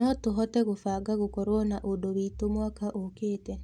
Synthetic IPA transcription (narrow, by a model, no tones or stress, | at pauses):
ɔtoɦɔtɛɣofaːɡaɣokɔɾɔnaʔodoβiːtomwakaʔokeːtɛ